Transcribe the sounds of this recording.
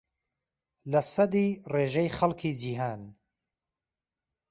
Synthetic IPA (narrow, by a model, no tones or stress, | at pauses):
lɐsɐd̪ireːʒɛjχɐlˠkʰiːd͡ʒiːɦaːn